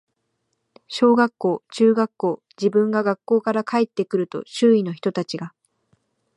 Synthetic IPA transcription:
ɕo̞ːɡakːo̞ːt͡ɕɨːɡakːo̞ː | d͡ʑibɯ̟̃ŋɡaɡakːo̞ːkaɾakaet̪ːe̞kɯ̟ɾɯ̟t̪o̞̰ɕɨːino̞çi̥t̪ot̪at͡ɕiɡa

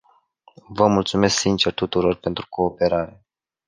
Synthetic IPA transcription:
vəmult̪sume̞sksint͡ʃe̞rt̪ut̪uɾo̞rpe̞nt̪ɾukʰo̞ːpe̞ɾaɾe̞

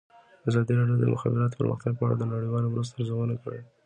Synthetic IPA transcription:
azɑd̪iɾɑɖjod̪ə̰mʔʊ̰xɑ̰bɪɾɑt̪̬o̥pə̰ɾmə̰xt̪aɡ̚pəaɽa̰d̪ənaɽəjwɑlowɾus̬t̪aɾzəwənakəɽe

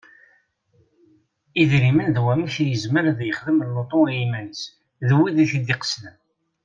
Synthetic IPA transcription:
iðɾimənðwæmiθjəzməɾðjəχðəməlːot̪ˤoiimænəs | ðwːiðiθid̪iqə̥sləm

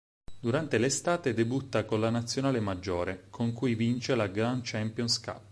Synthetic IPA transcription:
d̪uɾant̪elest̪aːt̪ed̪ebut̪ːakolanat̪sːjonaːlemad͡ʒːoːɾekʰoŋkujvint͡ʃelaɡɾant͡ʃɛmpjɔnska̰p

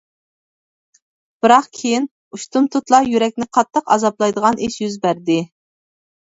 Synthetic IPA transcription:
b̥ɨɾɑqkʲʰejin | uʃt̪umt̪ʰut̪lˠɑjyɾɛk̚ʲnɪqʰɑt̪ʰːəqɑ̰zɑplˠɑjd̪əʁɑnʔɪʃjyzbæɾd̪ɪ

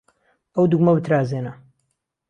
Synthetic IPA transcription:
ɐwd̪uɡmɐbɨt̪ʰɾaːzeːnɐ

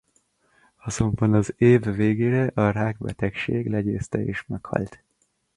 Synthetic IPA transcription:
ɒzo̞mbɒnɒzeːvːeːɡeːɾɛʔɒɾaːɡbɛt̪ɛkʃeːɡlɛɟeːst̪ɛeːʃmɛkhɒ̰lt̪

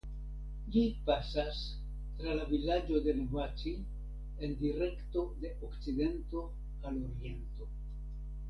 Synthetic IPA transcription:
d͡ʒipasas | tɾalavilad͡ʒo̞de̞nevat͡ʃi | e̞ndiɾe̞kto̞de̞ʔokt͡side̞nto̞ | alo̞ɾie̞nto̞

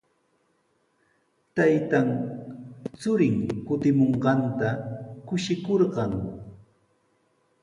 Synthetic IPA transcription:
t̪ajt̪aŋ | t͡sʊɾɪŋkʊt̪ɪmoɴɢɑnt̪akʊʃɪkoɾɢɑŋ

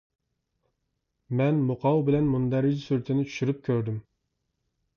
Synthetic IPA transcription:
mɛnmʊqʰɑwbɪlɛnmund̪ɛɾɪd͡ʒisyɾt̪ʰɪnɪt͡ʃʰy̥ʃyɾyp̚kʲʰøɾd̪ym

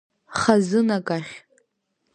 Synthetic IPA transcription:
χazɨnakʼaχʲ

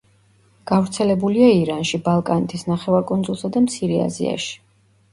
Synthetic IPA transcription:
ɡ̥avɾt̪sʰɛlɛbuliaiɾanʃibalˠkʼanɛt̪ʰisnaχɛvaɾkʼund̪zulˠsad̪amt̪sʰiɾɛa̰zḭa̰ʃi̥

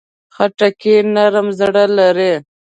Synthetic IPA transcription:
xaʈakenaɾmzɽalaɾe

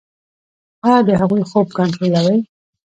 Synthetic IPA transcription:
ɑd̪əɦaɣujxob̚kaɳʈɾolawəj

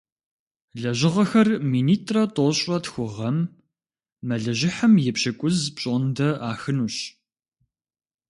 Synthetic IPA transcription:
ɮɐʑɪʁɐxɐrmiːniːtʼrɐtʼoɕʼɐtxʷʊʁɐmː | ɐɮɐʑɪħɐmjɛpɕɐkʷʼʊzpɕʼondɐaːxɨnuːɕ

